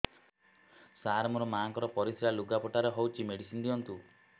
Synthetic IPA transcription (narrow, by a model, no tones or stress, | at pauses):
saɾmɔɾɔmaŋkɔɾɔpɔɾisʰiɾaluɡapɔʈaɾeɦɔwt͡ʃʰimeɽisind̪iɔnt̪u